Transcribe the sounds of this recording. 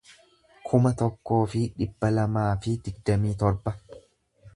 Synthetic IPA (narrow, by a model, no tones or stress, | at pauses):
kʰʊmɐt̪ɔkːo̞ːfɪᶑɪbːɐlɐmaːfɪd̪̥ɪɡd̪ːɐmiːt̪ɔɾbɐ